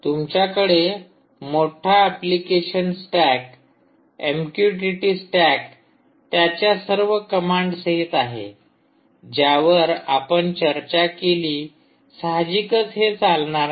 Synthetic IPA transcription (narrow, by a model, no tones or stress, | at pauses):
t̪umt͡ɕjakəɽe | moʈʰaːplikeɕənsʈæk | emkjuʈiʈiːsʈæk | t̪jat͡ɕjasəɾʋəkəmaɳɖseɦit̪aɦḛ | d͡ʑjaʋəɾapəɳt͡ɕəɾt͡ɕakeliː | saɦd͡ʑikət͡sɦet͡salɳaɾ